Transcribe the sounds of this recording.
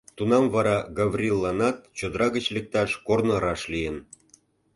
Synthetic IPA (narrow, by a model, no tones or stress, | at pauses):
t̪unɑmvɑɾɑɡɑvrʲilːɑnɑt̪̚t͡ɕod̪əɾɑɣə̆t͡ɕlek̚t̪ɑʃkornɤ̆ɾɑʃlijən